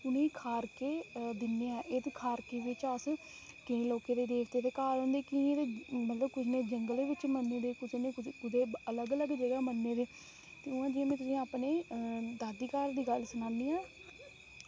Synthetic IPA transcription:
ʊnẽːkʰaːɾkeːd̪ɪnːeːɛːʔɪt̪kʰaːɾkeːʋɪt͡ʃəs | kɪĩːloːkeːd̪eːd̪eːʋt̪eːd̪eːkaːɾõːnd̪eːkɪĩd̪eːmət̪ləbkʊt͡ʃneːd͡ʒəŋɡəleːʋɪt͡ʃmənːeːd̪eːkʊt͡ʃnẽːkʊkʊd̪eːələɡələɡd͡ʒeːɡaːmənːeːd̪eː | t̪eːʊãːd͡ʒinẽːt̪ʊsĩːaːpneːd̪aːd̪iːkaːɾd̪iːɡəlsənãːniːɛː

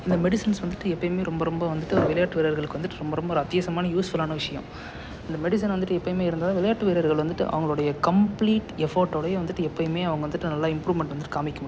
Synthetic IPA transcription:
ɪnd̪ɐmɛɽɪsɪnsʋɐnd̪ɯʈːɯɛpːɐmeːɾɔmbɐɾɔmbɐʋɐnd̪ɯʈːɯɔɾɯʋɪlɐjaːʈːɯʋeːɾɐɾɣɐɭɯkːɯʋɐnd̪ɯʈːɯɾɔmbɐɾɔmbɐɾɐt̪ːjɐsɐmaːnɐjuːsfɯɭaːnɐʋɪʂɐjɐ̰̃m | ɪnd̪ɐmɛɽɪs̬ɪnʋɐnd̪ɯʈːɯɛpːɐjmeːɪɾɯnd̪aːðãːʋɪɭɐjaːʈːɯʋeːɾɐɾɣɐɭɐnd̪ɯʈːɯ̰ʔɐ̰ʋɐŋɡɐɭɯɽɐjɐkɐmpliːʈɛfoːɾʈːoːɽɐjeʋɐnd̪ɯʈːɯɛpːɐjmeːɐʋɐŋɡɐnd̪ɯʈːɯnɐlːaːɪmpɾuːʋmɛɳʈʋɐnd̪ɯʈːɯkaːmɪkːɐmʊɽ

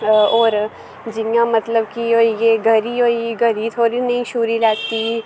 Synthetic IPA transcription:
ɔːɾ | d͡ʒɪnjãmɐt̪ləb̚kiɔːɾjeɡʱɐɾiɔːɾjeɡʱɐɾit̪ʰoːɾinɐɦĩʃuːɾilɛːkt̪i

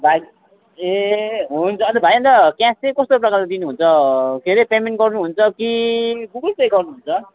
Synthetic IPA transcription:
bʱaj | eɦunt͡sʰʌːt̪ʌbʱajʌnt̪ʌkjãst͡sejkʌst̪oprʌkalad̪inuɦunt͡sʰʌkʰeɾepemenʈ̚ɡʌrnuɦunt͡sʰʌkiɡuɡulseɡʌrnuɦunt͡sʰʌ

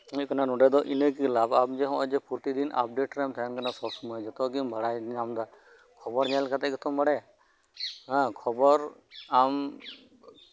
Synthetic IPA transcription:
ũkananuɖɛd̪ɔʔinəkilabab̚d͡ʒɛɦɔ̃ʔɔd͡ʒɛpuɾt̪id̪inʔa̰p̚ɖeʈɾɛmt̪ʰaɛnkanasɔbsɔmajd͡ʒɛt̪ɔɡimbʱaɽajɲamd̪a | kʰɔbɔɾɲalkat̪ɛkɔt̪ʰɔmbaɽɛ | ɦãkʰɔbɔɾam

